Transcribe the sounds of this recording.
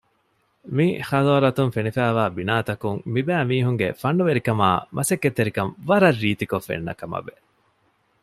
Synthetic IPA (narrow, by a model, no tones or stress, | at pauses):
mixɐloɾɐt̪uŋfenifæːʋaːbinaːt̪ɐkuŋmibæːmiːɦuŋɡḛfɐɳːuʋeɾikɐmaːmʔɐsekːet̪ːeɾikɐmʋɐɾɐrːiːt̪ikofːḛnːɐ̰kɐmɐ̰be